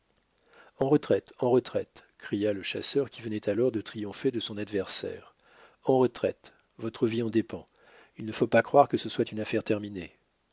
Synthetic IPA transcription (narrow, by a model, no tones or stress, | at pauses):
ɑ̃ʁət̪χɛt̪ɑ̃ʁət̪χɛt̪kχijaləʃasœʁkʲivənɛt̪ʰalɔʁd̪ət̪χijɔ̃fed̪əsɔ̃nad̪vɛʁsɛ̰ːʁ | ɑ̃ʁət̪χɛt̪ | vɔt̪χəviɑ̃d̪epɑ̃ | ilnəfopakχwaʁkəsəswat̪ynafɛʁt̪ɛʁmine